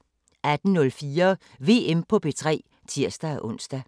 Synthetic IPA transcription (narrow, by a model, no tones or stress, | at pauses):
ʔæd̥n̩nɔ̽lfiːɐ | ʋe̝̰ːempʰɒ̽b̥e̝t͡sʰʁɛ̰ː | t͡sʰiɐ̰sd̥ææʔɔ̽n̰sd̥æ